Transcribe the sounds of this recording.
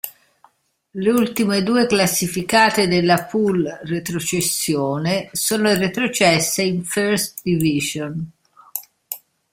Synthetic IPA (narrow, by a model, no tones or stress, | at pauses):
leult̪imed̪uːeklasːifikaːt̪ed̪elːapulret̪ɾot͡ʃesːjoːnesoːnoret̪ɾot͡ʃɛsːeiɱføɾst̪d̪iviʒon